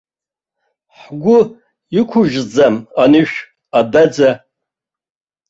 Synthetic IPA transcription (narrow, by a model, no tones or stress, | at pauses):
ħɡʷʊ | ikʷʰʊʒd͡zamanɨʃᶣ | abad͡za